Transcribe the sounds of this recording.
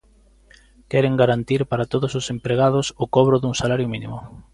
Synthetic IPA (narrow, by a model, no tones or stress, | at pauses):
kɛɾeŋɡaɾant̪iɾpaɾat̪oðʊsʊsempɾeɣ̞að̞ʊsʊkɔβɾʊðuŋsalaɾjʊminḭmʊ